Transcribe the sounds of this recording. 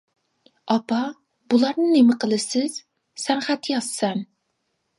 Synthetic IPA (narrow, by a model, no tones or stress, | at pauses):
ɑpʰɑ | bulˠɑɾnɨnemɪqʰəlˠɨsɪz̥ | sɛnχæt̪jɑzsɛn